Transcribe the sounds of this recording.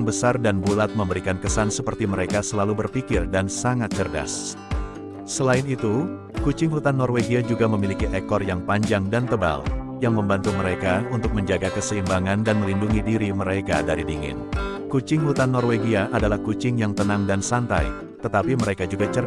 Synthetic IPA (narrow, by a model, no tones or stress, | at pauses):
ŋbəsardanbulat̪̚məmbəɾikankəsansəpərt̪iməɾekasəlalubərpikɪrdansaŋat̪̚t͡ʃərda̰s | səlaɪnit̪u | kut͡ʃɪŋhut̪anːɔrweɡiad͡ʒuɡaməmilikiʔekɔrjaŋpaɲd͡ʒaŋdant̪əba̰ljaŋməmbant̪uməɾekaunt̪ʊk̚məɲd͡ʒaɡakəsəimbaŋandanməlinduŋidiɾiməɾekadaɾidiŋɪ̰n | kut͡ʃɪŋhut̪anːɔrweɡiaʔadalahkut͡ʃɪŋjaŋt̪ənaŋdansant̪a̰j | t̪ət̪apiməɾekad͡ʒuɡat͡ʃər